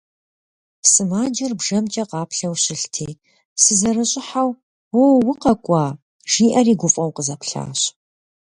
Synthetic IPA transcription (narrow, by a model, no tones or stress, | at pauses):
sɨmaːd͡ʒɐrbʒɐmt͡ʃʼɐqɑːpɬɐwɕɪɬtʰeː | sɨzɐɾɨɕʼɪħaw | wowʊqɐkʷʼɑː | ʒ̥iːʔɐriːɡʷʊfʼɐwqəzɐpɬa̰ːɕ